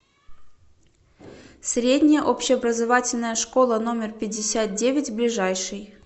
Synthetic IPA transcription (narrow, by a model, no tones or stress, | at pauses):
sʲɾʲedʲnʲɪjəʔopɕɪɐbrəzɐvatʲɪlʲnəjəʂko̞lˠəno̞mʲɪrpʲɪdʲːɪsʲat̪̚dʲevʲɪtʲblʲɪʐajʂɨj